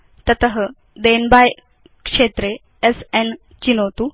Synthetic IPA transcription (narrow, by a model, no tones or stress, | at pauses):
t̪ət̪əɦə | d̪enbaj | kʂet̪ɾe | esen | t͡ɕinot̪u